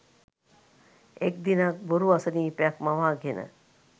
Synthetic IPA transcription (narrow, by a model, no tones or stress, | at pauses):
ek̚d̪inak̚boɾuasəniːpjakmaʋaːɡʱenʔə̰